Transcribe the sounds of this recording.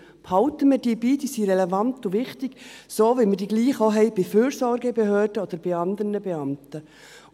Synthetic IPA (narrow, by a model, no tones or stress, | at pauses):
phɑʊtəmədiːbiːdiːsiːɾɛlɛvɑnt̪ʊʋɪχtɪɡ̥soːʋiməɾdiɡliːχoɦɛɪb̥ɪføːɾsɔɾɡəbeɦøːrd̥əod̪əɾb̥ɪɑnd̪əɾnəbeɑmtə